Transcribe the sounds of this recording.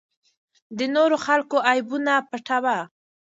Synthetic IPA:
d̪ənoɾoxalkoʔajbunapəʈawa

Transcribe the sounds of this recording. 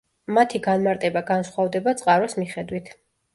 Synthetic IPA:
mat̪ʰiɡanmaɾt̪ʼɛbaɡansχwavd̪ɛbat̪sʼqʼaɾɔsmiχɛd̪wit̪ʰ

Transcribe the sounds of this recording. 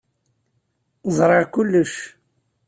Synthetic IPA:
zˤɾˤɑʁkʊlːəʃ

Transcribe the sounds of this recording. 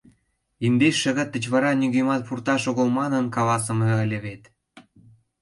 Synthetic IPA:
ind̪eʃːə̆ɣə̆t̪ːə̆t͡ɕβɑɾɑnʲyɣemɑt̪̚purt̪ɑʃoɣolmɑnə̆nkɑlɑsə̆mĕə̆lʲĕβet̪

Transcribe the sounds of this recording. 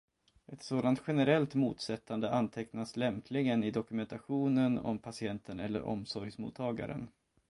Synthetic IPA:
ʔɛt̪soːd̪ant̪ɧɛnəɾɛlt̪mṵːt̪sɛt̪ːand̪əʔant̪ʰɛknaslɛmpʰlɪŋənɪd̪ɔkɵmɛnt̪ʰaɧuːnənɔ̰mpʰasɪɛnt̪ʰənɛ̰lːə̰ɾɔ̰msɔɾjsmṵːt̪ʰːɑːɡa̰ɾə̰n

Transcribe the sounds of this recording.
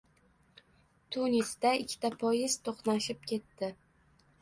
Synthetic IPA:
t̪ʰunisd̪aɪkʲʰːɪ̥t̪ʰapʰɒjɪz̥t̪ʰoχnaʃɪp̚kʲʰe̞t̪ːɪ

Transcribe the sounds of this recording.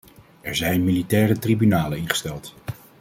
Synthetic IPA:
ɛɹzɛjnmilitɛːrətribynaːləɪnχə̥stɛlˠt

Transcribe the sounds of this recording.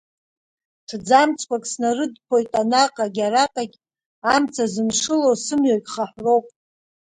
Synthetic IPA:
tʰd͡zamt͡sʰʼkʷakʼsnarɨdpʰo̞jtʼanaqʼaɡʲaɾaqʼaɡʲ | amt͡sʰazɨnʂɨlosɨmɥokʲʼχaħʷro̞wpʼ

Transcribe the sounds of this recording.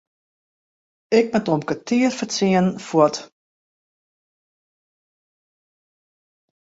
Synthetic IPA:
ɪk̚mɛtɔmkətʰiərfərt͡siənfwɔt

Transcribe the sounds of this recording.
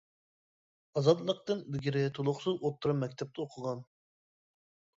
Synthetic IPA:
ɑzɑd̪lˠəq̚t̪ɨnbɪɡʲiɾɪt̪ʰolˠʊχsɨzot̪ʰːuɾɑmːɛkʲt̪ʰɛp̚t̪ɨoqʰəʁɑn

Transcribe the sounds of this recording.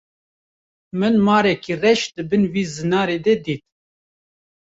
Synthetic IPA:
mɨnmɑːɾɛkiːrɛʃd̪ɨbɨnwiːzɨnɑːɾeːd̪ɛd̪iːt̪̚

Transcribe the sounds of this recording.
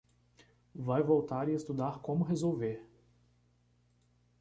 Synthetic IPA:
vajvowt̪aɾɪest̪ud̪aɾkõmʊɦezowveɾ

